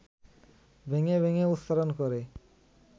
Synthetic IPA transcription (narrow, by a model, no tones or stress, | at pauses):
bʱeŋebʱeŋeut̪saɾonkɔɾe